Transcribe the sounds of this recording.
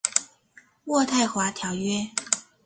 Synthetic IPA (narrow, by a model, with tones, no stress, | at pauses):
wɔ˥˧t̪ʰa˥˩ɪxwa˧˥t̪ʰjɑ˨˧˥ʊɥɛ˥